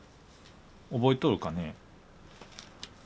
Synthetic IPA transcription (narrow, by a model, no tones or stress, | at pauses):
obo̞it̪oɾɯ̟kane